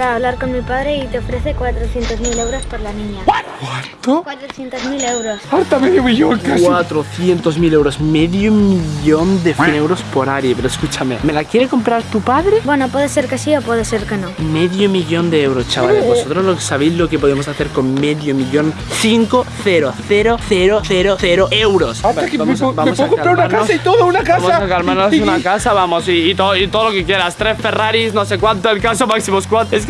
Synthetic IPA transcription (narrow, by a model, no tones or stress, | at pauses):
ɾaːβlaɾkonmipaðɾe̞it̪eofɾe̞θekwat̪ɾoθjent̪ozmilewɾospoɾlanĩɲakwant̪okwat̪ɾoθjent̪ozmilewɾosaɾt̪ameðjomiʝoŋkaswat̪ɾoθje̞nt̪o̞zmilewɾo̞smeðjomiʎʝo̞nd̪efinewɾo̞spoɾaɾjepeɾoeskut͡ʃamḛme̞lakjeɾe̞ko̞mpɾaɾt̪upaðɾebwenopweðeseɾkesiopweðeseɾkenomeðjomiʎo̞nd̪eewɾost͡ʃaβaleosot̪ɾozloksaβe̞jzlo̞ke̞poðemo̞saθe̞ɾkonmeðjomiʎo̞n | θiŋkoθeɾoθeɾoθeɾoθeɾoθeɾoewɾo̞saakebamsbamosakopɾaunaɾkanosit̪oðounakaasmoasakalmaɾnos̬unakasaβamosiːt̪oit̪oðolokekje̞ɾast̪ɾesfe̞raɾisnosekwant̪oelkasomaksimoskwanes